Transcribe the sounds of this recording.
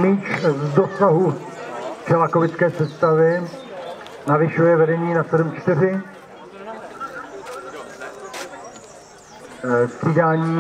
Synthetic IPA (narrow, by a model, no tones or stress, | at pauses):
miːt͡ʃvdosaɦu | t͡ʃɛlakovɪt͡skɛːsɛst̪avɪ | navɪʃujɛvɛdɛɲiːnasɛdumt͡ʃt̪ɪɾɪ | ssiːdaːɲiː